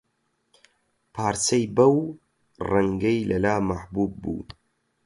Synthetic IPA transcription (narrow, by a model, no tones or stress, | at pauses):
pʰaːɾt͡sɐjbɐw | rɐŋɡɐjlɐlaːmaħbuːb̚ːṵː